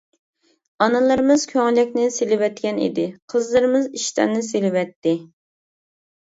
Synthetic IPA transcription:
ɑnɨlˠɨɾɨmɨz̥kʲʰøŋlɪkʲnɪselɪwɛt̪kʲɛnḭd̪ɪqʰəzlˠɨɾɨmɨziʃt̪æ̰nnɪs̬elɪwɛt̪ːɪ

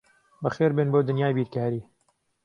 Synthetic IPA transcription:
bəxeːɾbenboːd̪ɨnjaːjbiːɾkaːɾiː

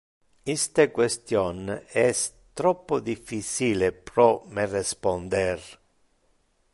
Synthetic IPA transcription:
ist̪ekwest̪jɔnɛs | t̪ɾɔpːod̪ifːit͡ʃiːlepɾɔmerɛspond̪ɛr

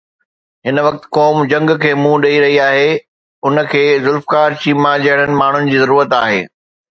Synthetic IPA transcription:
ɦɪnʋɐk̚t̪̆kɔːmd͡ʑɐ̃ŋɡkʰeːmũɗɐiɾɐɦiaːɦe | ʊnəkʰeːzʊlfkaːɾt͡ɕiːmãʄɐəɽ̃ənɪ̆maːɳ̤ʊnɪ̆d͡ʑiːzɐɾuːɾət̪aːɦḛː

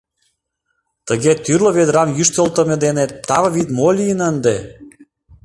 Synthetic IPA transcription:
t̪əɣet̪yrləβed̪ɾɑmjyʃt̪ə̆lt̪ə̆mʲed̪enet̪ːɑβɤβit̪molʲijənənd̪e

